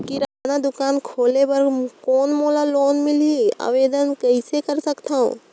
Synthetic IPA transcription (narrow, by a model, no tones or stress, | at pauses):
kiɾaːnad̪ʊkaːnkʰoːlebɐɾkoːnmoːlaloːnmɪliea̰ːʋeːd̪ənkəɪsekəɾsəkt̪aɦṵ̃ː